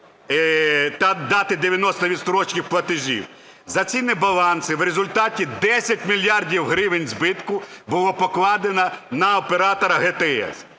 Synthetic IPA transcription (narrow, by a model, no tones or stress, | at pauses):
t̪ɐd̪ɑt̪ɪd̪eʋʲjɐnɔst̪ɔʋʲid̪st̪ɔɾɔt͡ʃkɪxplˠɐt̪ɪʒʲḭw | zɐt͡sʲinɪbɐlˠɑnsɪwrezʊlʲt̪ɑtʲid̪ɛsʲɐtʲmʲilʲjɑrdʲiwɦɾɪʋenʲzbɪt̪kʊbʊlˠɔpɔklˠɑd̪enɐnɐɔpeɾɑt̪ɔɾɐɦet̪eɛ̰s